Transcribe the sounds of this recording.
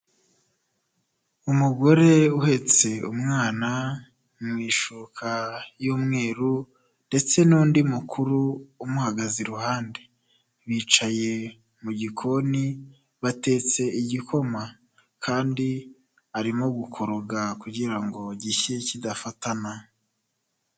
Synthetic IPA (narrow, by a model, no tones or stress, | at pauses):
umuɡo̞ɾe̞uhe̞t͡se̞ṵmŋaːna | mŋwiːʃukʰajuːmŋe̞ːɾu | nde̞t͡se̞nuːndimukʰuɾuːmuhaɡaziɾuhaːnde̥ | βiːt͡ʃaje̞ | muɟikʰo̞ni | βate̞ːt͡se̞iɟikʰo̞ma | kʰaːndi | aɾimo̞ɡukʰo̞ɾoɡakuɟiɾaŋɡo̞ɟiçecidafatana